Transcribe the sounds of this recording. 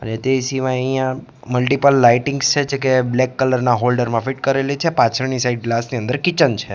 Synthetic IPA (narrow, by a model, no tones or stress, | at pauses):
ənet̪esiʋajəjã | məlʈipəlːaiʈɪŋɡst͡ʃʰet͡ʃʰek̬eblekːələɾnaɦolɖəɾmãfiʈkəɾelit͡ʃʰepãt͡ʃʰəɾnisaiɖ̚ɡlasniə̃nd̪əɾkit͡ʃənt͡ʃʰe